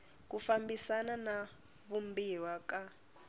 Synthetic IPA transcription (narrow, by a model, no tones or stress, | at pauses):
k̬ufambisanana | βumbiwaka